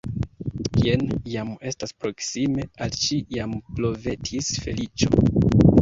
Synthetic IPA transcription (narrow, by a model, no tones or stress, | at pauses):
kienjame̞staspɾo̞ksime̞alʃijamplo̞ve̞tʰisfe̞̰lit͡ʃo̰